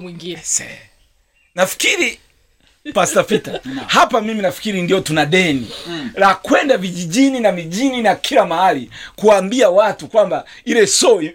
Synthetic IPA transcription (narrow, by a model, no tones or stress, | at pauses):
iŋɡisɛ̰ | nafi̥kiɾi | pastafitahapamiminafi̥kiɾindiɔtunaɗɛniɾakwɛndaviʄiʄininamiʄininakʰilamahalikuaːmbiawatukwamba | ilɛsɔi